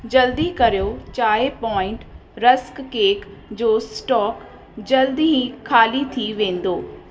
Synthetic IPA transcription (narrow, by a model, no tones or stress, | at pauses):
d͡ʑɐld̪ikɐɾijot͡ɕaːɦepɔːɪ̃ɳʈɾɐskːeːkd͡ʑoːsʈɔːk | d͡ʑɐld̪iɦĩkʰaːlit̪ʰiʋẽːn̆d̪oː